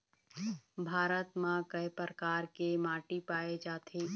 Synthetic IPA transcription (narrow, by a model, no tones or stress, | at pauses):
bʱaːɾət̪mãkəjpəɾəkaːɾkemaːʈipaːed͡ʒaːt̪ʰeː